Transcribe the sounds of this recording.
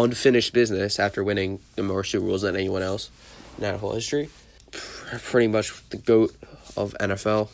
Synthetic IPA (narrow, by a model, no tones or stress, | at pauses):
ʌ̃nfɪ̃nɨʃb̥ɪznɨsæftə˞wɪ̃ñɪ̃ŋ | ɨmɔɹʃʉɹṵlˠzɨ̃ɾɛniwʌ̃nɛlˠs | naʊɾəɦɔ̰lˠhɪstɹ̥i | pʰpʰɹ̥ɪɾimʌt͡ʃðɨɡoʊɾʌvɛ̰̃nɛfɛlˠ